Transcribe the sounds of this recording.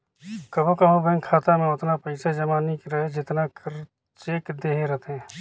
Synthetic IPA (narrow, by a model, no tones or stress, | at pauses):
kɐbõkɐɦõbɛ̃ŋkʰaːt̪amẽʊt̪napɐɪsad͡ʒɐmaːnikɾɐɦed͡ʒɪt̪nakəɾ | t͡ʃeːkd̪eːɦeɾɐt̪ɦɛ̃ː